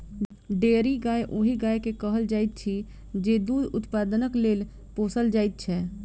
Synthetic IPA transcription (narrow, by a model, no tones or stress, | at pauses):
ɖeːɾiɡaːjʔʊɦiɡaːekekəɦəld͡ʒaːɪt̪̚t͡ʃʰi | d͡ʒed̪uːd̪ʊt̪paːd̪ənəkleːl | poːsəld͡ʒaːɪt̪̚t͡ʃʰɛ